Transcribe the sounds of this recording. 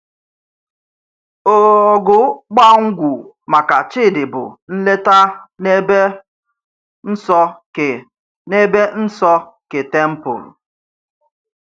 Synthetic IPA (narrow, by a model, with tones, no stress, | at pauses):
o˨ɔ˨ɡʊ˨ɡ͡ba˦˨ŋ̩˦ɡʷu˨ | ma˨ka˨t͡ʃɪ˦˨dɪ˨bʊ̰˨n̩˦le˦ta˦ne˦be˦ | n̩˦sɔ˦˨ | ne˦be˦n̩˦sɔ˦ke˨te˦m̩˦pʊ̰˨l